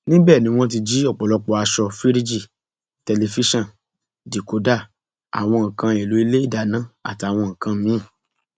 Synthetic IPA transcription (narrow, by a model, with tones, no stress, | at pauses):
nĩ˦bɛː˦˨nĩ˨˦w̃ɔ̃˦t̬i˧d͡ʒi˦ɔ˦˨k͡pɔ˨lɔ˧˦k͡pɔ˧a˧ʃɔ˧fi˦ɾi˦d͡ʒi˦˨ | tɛ˧le˧fi˦ʃɔ̃˦˨ | di˨ko˨˦da˦˨ | a̰˨w̃ɔ̃˧ŋ̩̃˨kã˧e˨lo˨˦i˧le˦i˦˨da˨nã˦a̰˦˨ti˨a˨w̃ɔ̃˧ŋ̩̃˨kã˧mĩ˨˦˨